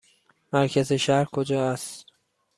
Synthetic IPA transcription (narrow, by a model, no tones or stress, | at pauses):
mæɾcʰæzeʃæɾkʰod͡ʒɒːæst̪